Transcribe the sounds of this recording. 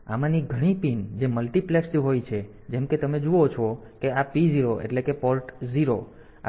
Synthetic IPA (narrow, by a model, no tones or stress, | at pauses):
amaniɡʱəɽ̃ipind͡ʒeməlʈipleksɦojt͡ʃʰe | d͡ʒemket̪əmed͡ʒuot͡ʃʰɔ | keapiziɾoʔḛʈlekepɔɾʈziɾo | a̰